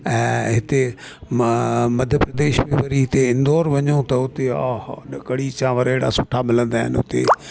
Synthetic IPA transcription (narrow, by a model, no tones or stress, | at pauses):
ɛ̃ːɦɪt̪e | mɐd̪ʱjəpɾɐd̪eːʃmẽʋɐɾiɦɪt̪eɪ̃nd̪oːɾʋɐɲot̪ɐʊt̪ea̰ːɦɗɐkɐɽit͡ɕãːʋɐɾeɦɪɽa̰sʊʈʰamɪlə̃nd̪aːɦɪ̰nʊ̰t̪ḛ